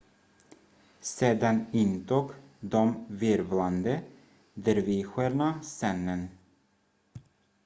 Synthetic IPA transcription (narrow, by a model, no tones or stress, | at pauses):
seːd̪anɪnt̪uːɡ | d̪ɔmvɪɾvland̪ə | d̪əɾviːɧəɾɳasɛnːən